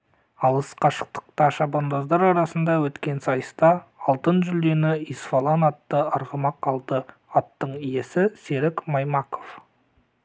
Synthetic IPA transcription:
ɑlˠəsqʰɑʃə̥q̚t̪ə̥q̚t̪ɑʃɑbond̪ɑzd̪ɑɾɑɾɑsənd̪ɑwɵt̪kʲe̞nsɑjəst̪ɑɑlˠt̪ənʒʏld̪e̞nɪisfolˠɑnɑt̪ːəɑɾʁəmɑqʰɑlˠd̪ə | ɑt̪ːəɴije̞sɪse̞ɾɪkmɑjmɑko̞f

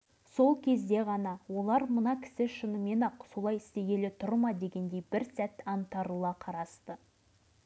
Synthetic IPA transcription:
so̞lˠkʲʰe̞zd̪e̞ʁɑnɑwo̞lˠɑɾmənɑkʲʰɪ̥sɪʃənəme̞nɑqso̞lˠɑjɪst̪e̞ɡʲe̞lɪt̪ʰʊɾmɑd̪e̞ɡʲe̞nd̪e̞jbɪɾsæt̪ɑnt̪ɑɾulˠɑqʰɑɾɑst̪ə

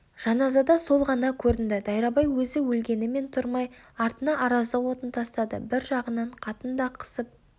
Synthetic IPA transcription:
ʒ̥ɑnɑzɑd̪ɑso̞lˠʁɑnɑkʲʰɵɾɪnd̪ɪd̪ɑjɾɑbɑjwɵzɪwɵlɡʲe̞nɪme̞nt̪ʰʊɾmɑj | ɑɾt̪ənɑʔɑɾɑzd̪ɑwo̞t̪ənt̪ʰɑst̪ɑd̪ə̰bɪɾʒɑʁənɑɴqʰɑt̪ənd̪ɑqʰə̥səp̚

